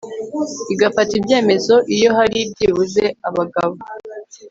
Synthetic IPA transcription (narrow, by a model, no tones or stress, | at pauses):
iɡafatibje̞ːme̞zo̞ʔijo̞ɦaɾib̚ɟiβuze̞aβaɡaβo